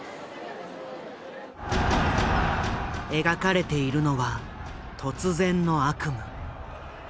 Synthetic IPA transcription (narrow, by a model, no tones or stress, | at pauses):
e̞ɡakaɾe̞t̪e̞iɾɯ̟no̞βa | t̪ʰo̞t͡sɨzẽ̞nːo̞akɯ̟mɯ̟